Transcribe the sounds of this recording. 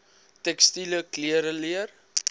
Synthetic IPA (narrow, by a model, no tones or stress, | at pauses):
tɛkstiləkliəɾəliər